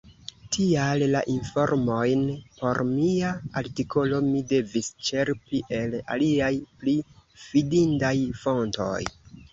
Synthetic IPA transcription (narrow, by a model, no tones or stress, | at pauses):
tʰialːaʔinfo̞ɾmo̞jnpo̞ɾmiaaɾtikʰo̞lo̞mide̞vist͡ʃe̞ɾpiʔe̞la̰liajplifidindajfo̞nto̞̰j